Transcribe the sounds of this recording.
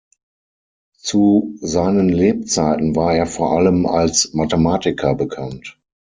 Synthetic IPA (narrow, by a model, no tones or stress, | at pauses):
t͡suzaɪnənleːp̚t͡saɪtn̩vaːɐeːɐfoːɐʔaləma̰lsmatəmaːtɪkʰɐbəkʰant